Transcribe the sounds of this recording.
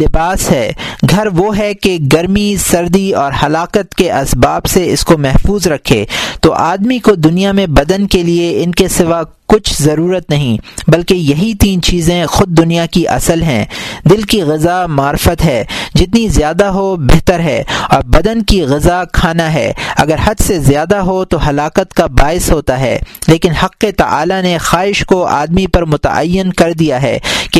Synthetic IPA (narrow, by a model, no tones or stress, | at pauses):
lɪbaːsɦɛːɡʱɐɾʋoɦɛkeɡɐɾmisɐɾd̪iɔːɾhɐlaːqət̪keʔɐsbaːbseɪskomɛɦfuːzɾɐkʰːḛːt̪oʔaːd̪mikod̪ʊnijamẽbɐd̪ənkelieɪnkesɪʋakʊt͡ʃʰzɐɾuːɾət̪nɐɦĩbɐlkejɐɦit̪iːnt͡ʃiːzẽxʊd̪̚ːʊnijakiʔɐ̰səlɦɛ̃ːd̪ɪlkiɣɪzamaːɾfət̪ɦɛːd͡ʒɪt̪nizjaːd̪aɦobɛɦt̪əɾɦɛ̰ːɔːɾbɐd̪ənkiɣɪzakʰaːnaɦɛ̰ːɐ̰ɡəɾhɐd̪sezjaːd̪aɦot̪oɦɐlaːkət̪kabaːɪsɦoːt̪aɦɛ̰ːleːkɪnhɐqːet̪ɐ̰ʔa̰ːlanexaːɪʃkoʔa̰ːd̪mipɐɾmʊt̪ɐ̰ʔɐ̰jːɪnkɐɾd̪ijaɦɛ̰ːke